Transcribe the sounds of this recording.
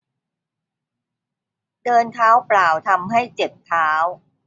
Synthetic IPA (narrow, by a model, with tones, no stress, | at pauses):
dɤː˧nt̪ʰaː˦˥wplaː˨˩wt̪ʰa˧mɦa˥˩jt͡ɕe˨˩t̪̚t̪ʰːaː˦˥w